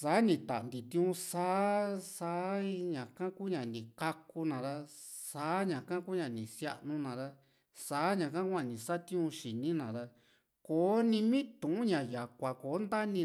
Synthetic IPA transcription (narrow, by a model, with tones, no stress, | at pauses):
sa˨˦nĩ˧t̪a̰˨nd̪ĩ˨t̪ĩ˦ũ˧saː˦saː˧˦˧ɲã˨kã˦ku˦ɲã˨nĩ˨ka˦ku˧nã˨ða˧saː˨˦ɲã˨kã˦kuː˦ɲã˧nĩ˨sja˦˧ʔnũ˧nã˨ða˧ | saː˨˦ɲã˧˨kã˦ku˦ã˧nĩ˨sa˦t̪ĩ˦ũ˧ʃi˨nĩ˦nã˨ða˧ | koː˨˦nĩ˧mĩ˦t̪ũ˨ʔũ˦ɲã˨ja˨kʷa˨ko˨˦nd̪a˦nĩ˧